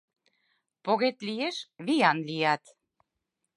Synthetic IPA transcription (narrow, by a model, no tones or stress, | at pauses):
poɣet̪lijeʃβijɑnlijɑt̪